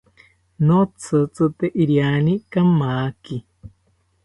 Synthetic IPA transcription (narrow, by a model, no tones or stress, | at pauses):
not͡sʰɨt͡sɨt̪eʔiɾjanikamaki